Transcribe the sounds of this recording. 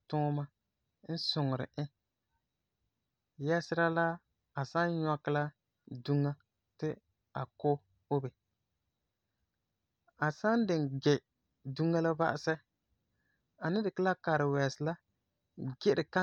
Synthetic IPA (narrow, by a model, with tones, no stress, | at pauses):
tʊ˦ŋ˦ma˦ | n̩˦sʊ˨ŋ˨ɾɪ̰˨ɪ˦ | jɛ˦sɪ˦ɾa˦la˦ | a˨sa˦nɲɔ˦kɪ˦la˦ | du˦ŋːa˦ | tɪ˦ | a̰˨ko˦ | o˦bɛ˨ | a˨sa˦n˦dɪ˨nɡɛ˨ | du˦ŋːa˦la˦ba̰˦ʔɪ˦sɛ˦ | a˨nɪ˦dɪ˨kɪ˦la˦ka˨ɾɪ˨wɛː˨sɪ˨la˦ | ɡɪ˦ɾɪ˨ka˦